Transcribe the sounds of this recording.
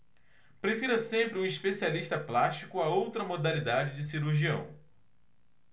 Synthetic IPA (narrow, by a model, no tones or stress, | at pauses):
pɾefiɾɐsẽmpɾɪũispesialiʃt̪ɐplaʃt͡ʃikʊaowt̪ɾɐmod̪alid̪ad͡ʒɪd͡ʒɪsiɾuɾʒiɐ̃w̃